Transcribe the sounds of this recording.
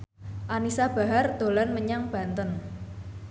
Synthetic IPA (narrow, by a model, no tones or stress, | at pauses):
ʔanisab̥a̤ɦard̪̥o̤lanməɲaŋb̥a̤nt̪ən